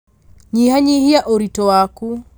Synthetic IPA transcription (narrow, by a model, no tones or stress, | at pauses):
ɲihaɲihijaʔɔɾitɔwaku